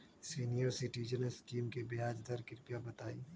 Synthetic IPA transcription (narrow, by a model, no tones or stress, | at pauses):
siːnijoɾsɪʈid͡ʒəneskiːmkebejaːd͡ʒd̪ɐɾkɪɾpijabɐt̪aːiː